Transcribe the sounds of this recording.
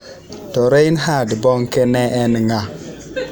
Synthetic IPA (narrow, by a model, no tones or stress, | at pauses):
toɾejinɦadəboŋkeneenəŋa